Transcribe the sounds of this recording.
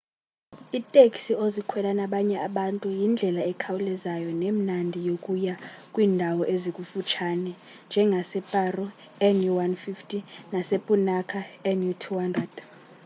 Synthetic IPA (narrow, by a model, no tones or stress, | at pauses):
itʼekʼsiozikʰwɛlanaɓaɲɛʔaɓantʼujind͡ɮʱɛlaɛkʰawulɛzajɔnem̩nandʱijokʼujakʼwiːndʱawɔʔezikʼufut͡ʃʰanɛ | nd͡ʒʱɛŋɡʱasɛpʼarɔ | ɛnjuwanfiftʰʼinasepʼunakʰaɛnjutʰuhandrɛd̥